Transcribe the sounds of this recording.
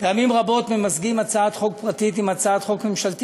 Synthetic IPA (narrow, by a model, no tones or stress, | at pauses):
pejamimʁabo̞t̪memazɡimat͡saat̪χo̞k̚pʁat̪it̪̬imat͡saat̪χo̞kme̞mʃalt̪i